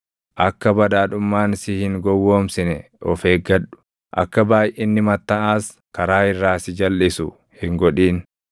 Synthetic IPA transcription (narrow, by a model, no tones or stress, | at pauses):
ʔɐkːɐbɐd̪aːᶑʊmːaːnsɪhɪŋɡɔwːoːmsɪnɛ | ɔfeːɡɐᶑʊ̥ | ʔɐ̰kːɐbaːjɪnːɪmɐt̪ːɐʔaːs | kɐɾaːɪrːaːsɪd͡ʒɐlːɪsʊ̰ | hɪŋɡɔᶑiːn